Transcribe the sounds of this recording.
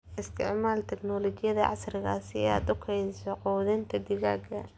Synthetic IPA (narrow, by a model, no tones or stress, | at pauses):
ʔɪst̪ʰɪʕmaːlt̪ʰɛɡnɔlɔt͡ʃɪjɐðɐʕɑ̰srɪɣa̰ːsɪ̰a̰ːd̪ʊkʰɛjsɔquːðɪnt̪ʰɐd̪ɪɣaːɡɐ